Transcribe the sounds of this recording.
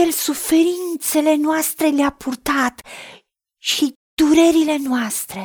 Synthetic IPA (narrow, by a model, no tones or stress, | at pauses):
elsufe̞ɾint̪se̞le̞noast̪ɾe̞leapʰurt̪at̪ | ʃi | d̪̥uɾe̞ɾile̞noast̪ɾe̞